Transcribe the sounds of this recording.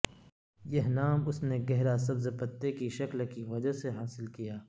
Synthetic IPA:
jɐɦnaːmʊsneɡɛɦɾas̬ɐbzpɐt̪ːekiʃɐklkiʋɐd͡ʒaseɦaːsɪlkijaː

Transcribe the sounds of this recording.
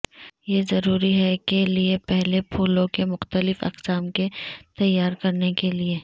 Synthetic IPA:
jezɐɾuːɾiɦɛkeliepɛɦlepʰuːlõkemʊxt̪əlɪfɐ̰qsaːmket̪ɐjːaːɾkɐɾnekelie

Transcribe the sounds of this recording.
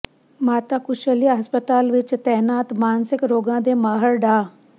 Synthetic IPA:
maːt̪akʊʃəliaɦɐspət̪aːlʋɪt͡ʃt̪ɛɦnaːt̪maːnsɪkɾoːɡãːd̪emaːɦəɾɖaː

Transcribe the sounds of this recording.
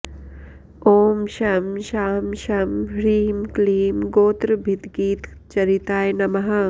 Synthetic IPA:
oːmʃɐmʃaːmʃɐmɾiːmkliːmɡoːt̪ɾbʱɪt̪ɡiːt̪ | t͡ʃɐɾit̪aːjnɐmɐɦa

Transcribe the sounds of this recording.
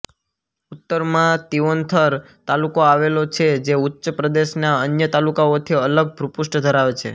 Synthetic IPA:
ut̪ːəɾmãt̪iʋont̪ʰəɾ | t̪alukoaʋelot͡ʃʰed͡ʒeutːʃəpɾəd̪eʃnaənjət̪alukaot̪ʰiələɡ̚bʱɾupuʃʈd̪ʱəɾaʋet͡ʃʰḛ

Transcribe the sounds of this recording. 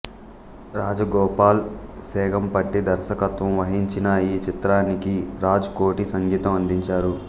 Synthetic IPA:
ɾaːd͡ʒɐɡɔːpaːlsɛːɡɐmpɐʈːid̪ɐɾʃɐkɐt̪ʋɐmʋɐɦiɲt͡ʃinɐiːt͡ʃit̪ɾaːnikiɾaːd͡ʒɐkoːʈisɐŋɡiːt̪ɐmɐnd̪iɲt͡ʃaːɾu

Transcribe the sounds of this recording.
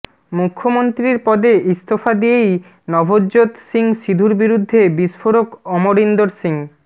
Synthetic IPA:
mukʰːomont̪ɾiɾpɔd̪eʔist̪ofad̪iej | nɔbʱodʑot̪siŋʃid̪ʱuɾbiɾud̪ʱːebiʃfoɾokɔmoɾind̪oɾsiŋ

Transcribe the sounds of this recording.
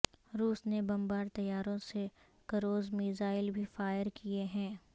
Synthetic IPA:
ɾuːsnebɐmbaːɾt̪ɐjaːɾõse | kɐɾoːzmiːzaːɪlbʱifaːjəɾkʰieɦɛ̃ː

